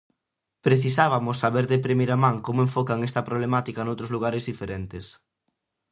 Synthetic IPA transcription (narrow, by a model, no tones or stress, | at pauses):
pɾeθisaβamʊsːaβeɾðepɾemiɾamãŋkomoẽɱfɔkaŋest̪ɐpɾoβlemat̪ikanowt̪ɾozluɣ̞aɾezðifeɾent̪es